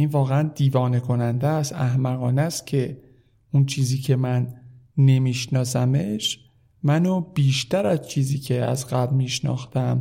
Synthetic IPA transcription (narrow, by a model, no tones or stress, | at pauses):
iːnvɒːɣeænd̪iːvɒːne̞kʰo̞nænd̪æst̪æhmæɣɒːnæst̪cʰe̞ | unt͡ʃʰiːziːcʰe̞mænːe̞miːʃnɒːsæmeʃ | mænob̥iːʃt̪æɾæzt͡ʃʰiːziːcʰe̞æ̰zɣæblmiːʃnɒ̰ːxt̪æm